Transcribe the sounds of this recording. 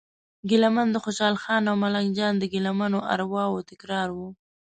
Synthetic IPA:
ɡɪlamand̪əxoʃɑlxɑnawmalaŋd͡ʒɑnd̪əɡɪlamanoʔa̰ɾwɑwot̪ɪkɾɑɾwu

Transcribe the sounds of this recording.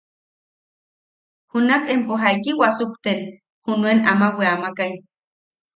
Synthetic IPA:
hunakempoɦajkiwasukt̪en | hunuenamaweamakaj

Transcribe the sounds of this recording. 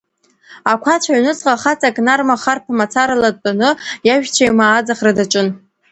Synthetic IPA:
akʷʰat͡ʃʷʰaɥnɨt͡sʼqʼaχat͡sʼakʼnarmaχarpʰamat͡sʰaɾalad̚pʼanɨjaʒᶣt͡ɕʷʰajmaːd͡zaχradat͡ʃʷʼɨn

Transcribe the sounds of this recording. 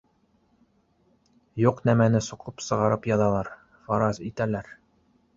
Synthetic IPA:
juqnæmænɘsuqɤpsɤ̆ʁɑɾɤpjɑðɑlˠɑɾ | fɑɾɑzit̪ælæɾ

